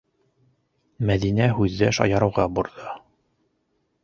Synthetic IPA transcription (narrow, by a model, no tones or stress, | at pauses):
mæðinæɦʉðːæʃɑ̰jɑɾɤ̆wʁɑbuɾðɤ